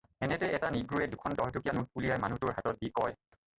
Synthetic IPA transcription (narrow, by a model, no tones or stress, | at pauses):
ɛnɛtɛʔɛtaniɡɹuɛdukʰɔndɔɦtʰukijanut̚pulijajmanutʊɹɦatɔt̚bikɔj